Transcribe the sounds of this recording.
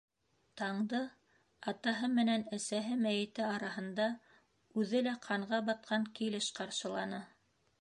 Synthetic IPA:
t̪ɑɴd̪ɤ | ɑt̪ɑɦɤmɘ̆nænæsæɦɘmæjɘ̆t̪ɘɑɾɑɦɤ̆nd̪ɑ | ʉðɘlæqʰɑɴʁɑbɑt̪̚qʰɑŋkilɘʃqɑɾʃɤ̆lˠɑnɤ

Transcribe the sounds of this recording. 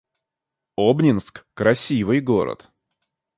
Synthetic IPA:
obnʲɪnskkɾɐsʲivɨjɡoɾə̰t̪

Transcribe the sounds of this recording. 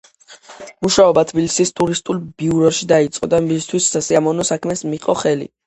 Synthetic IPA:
muʃaɔbat̪ʰbilsist̪ʼuɾist̪ʼulˠbiuɾɔʃid̪ait̪sʼqʼɔd̪aist̪ʰwisːasiamɔnɔsakʰmɛsmiqʼɔχɛlḭ

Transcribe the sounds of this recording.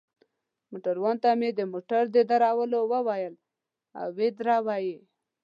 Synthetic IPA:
moʈaɾwɑnt̪amed̪əmoʈaɾd̪ed̪aɾawəlowəwajəl | a̰wwed̪ɾawaje

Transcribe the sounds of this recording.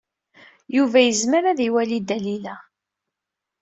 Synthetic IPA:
juvæjəzməɾaðiwælid̪ælilæ

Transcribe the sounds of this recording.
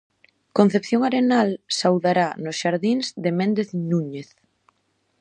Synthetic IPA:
kõn̟θepθjoŋaɾenalsawðaɾanʊsʃaɾðiŋzðemẽnd̪eθnuɲeθ

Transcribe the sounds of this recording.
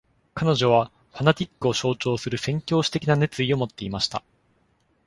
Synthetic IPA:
kano̞ʑo̞β̞a | ɸanat̪ʲikːɯ̟o̞ɕo̞ːt͡ɕo̞ːsɨɾɯ̟sẽ̞ŋkʲo̞ːɕi̥t̪e̞kʲinane̞t͡sɨio̞mo̞t̪ːe̞imaɕi̥t̪a̰

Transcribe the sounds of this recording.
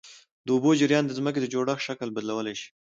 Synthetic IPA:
d̪əʊbod͡ʒɪɾjɑnd̪əzmək̬ed̪əd͡ʒoɽaxʃakəlbad̪lawəlajʃi̥

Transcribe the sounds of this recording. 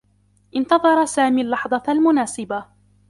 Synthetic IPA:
ʔɪnt̪ɑðˤɑɾˤɑsaːmiːlːɑħðˤɑlmʊnaːsɪba

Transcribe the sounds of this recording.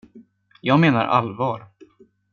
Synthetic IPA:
jɑːɡmeːna̰ɾʔa̰lvɑːɾ

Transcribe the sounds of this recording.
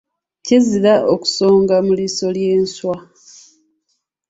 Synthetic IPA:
ciziɾaʔoku̥so̞ːŋɡamuliso̞lje̞ːnswa

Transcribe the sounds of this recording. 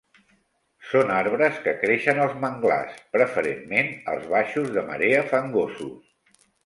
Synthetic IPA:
sonaɾβɾəskəkɾeʃənəlˠzməŋɡla̰spɾəfəɾemːenə̰lˠzβaʃuzðəmə̰ɾeəfaŋɡosus

